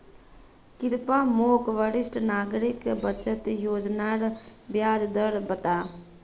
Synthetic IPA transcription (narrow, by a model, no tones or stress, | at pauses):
kɪɾpaːmoːkʋəɽɪsʈnaːɡɾɪkbət͡ʃət̪joːd͡ʒnaːɽbjaːd͡ʒd̪əlbət̪aː